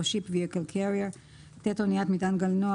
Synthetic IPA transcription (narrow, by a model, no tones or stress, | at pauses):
ʃipviɛkəlkʰɛɾia | t̪ɛt̪ɔniat̪mit̪anɡalnɔ